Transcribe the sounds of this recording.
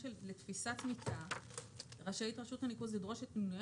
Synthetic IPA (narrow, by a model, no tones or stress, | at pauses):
ʃellet̪fisatmita | ʁaʃajitʁaʃuthanikuzlid̪ʁo̞ʃet̪nuj